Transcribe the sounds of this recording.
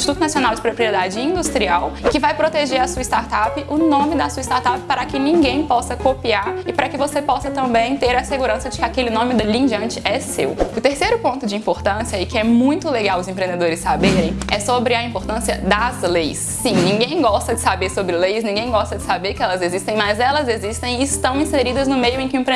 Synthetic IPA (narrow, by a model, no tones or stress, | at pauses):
ĩst͡ʃit̪ut̪ʊnasionawd͡ʒɪpɾopɾied̪ad͡ʒɪĩd̪ust̪ɾiawɪkɪvajpɾot̪eʒeɾɐsuɐist̪aɾt̪apɪʔʊnõmɪd̪ɐsuɐist̪aɾt̪apɪ̥paɾɐkɪnĩɡẽj̃pɔsɐkopiaɾɪpaɾɐkɪvosepɔsɐt̪ɐ̃mbẽj̃t̪eɾɐseɡuɾɐ̃sɐd͡ʒɪkɪakelɪnõmɪd̪ʊlĩd͡ʒɐ̃nt͡ʃɪɛsḛwʊt̪eɾsejɾʊpõnt̪ʊd͡ʒɪĩpoɾt̪ɐ̃siɐikɪɛmũj̃t̪ʊleɡawʊzẽmpɾẽnd̪ed̪oɾɪsːabeɾẽjɛsobɾɪɐĩpoɾt̪ɐ̃siɐd̪ɐzlejsːĩnĩŋɡẽj̃ɡɔst̪ɐd͡ʒɪsabeɾsobɾɪlejsnĩŋɡẽj̃ɡɔst̪ɐd͡ʒɪsabeɾkɪɛlɐzezist̪ẽj̃mɐzɛlɐzezist̪ẽj̃ɪːst̪ɐ̃w̃ĩseɾid̪ɐznʊmejʊẽj̃kɪʊ̃ĩpɾẽ